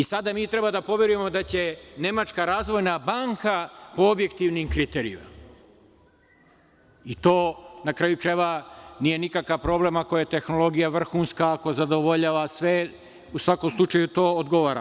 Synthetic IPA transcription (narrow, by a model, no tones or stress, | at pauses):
isad̪amiːt̪ɾe̞bad̪apo̞ʋje̞ɾuje̞mo̞d̪at͡ɕe̞ne̞mat͡ʃkaɾaːzʋo̞jnabaŋkapo̞obje̞kt̪iʋnimkɾit̪eɾḭṵm̰ | it̪o̞ːnakɾaːjukɾajʋanije̞nikakaʋpɾo̞ːblemako̞jet̪e̞xno̞lˠo̞ɡijaʋr̩xuːnskaːko̞zad̪o̞ʋo̞ʎaːʋasʋe | usʋako̞mslˠut͡ʃajut̪o̞ːod̪ɡo̞ʋaːɾa̰